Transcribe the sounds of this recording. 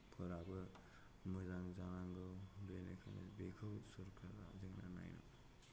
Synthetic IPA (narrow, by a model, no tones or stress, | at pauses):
pʰɯɾabɯ | mɯzaŋzanaŋɡɯbenekʰɯnḛbekʰɯwsuɾkʰaɾazɯŋna̰na̰jnɔ̰